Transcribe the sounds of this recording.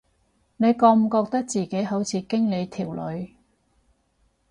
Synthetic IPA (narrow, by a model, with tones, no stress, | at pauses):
ne˨˧jkɔː˧m̩˨˩kɔː˧k̚t̪ɐ˥k̚t͡siː˨ke˨˥jɦo˨˥wt͡sʰiː˨˧kɪ˥ŋle˨˧jt̪ʰiː˨˩wlɵ̰˨˧ɥ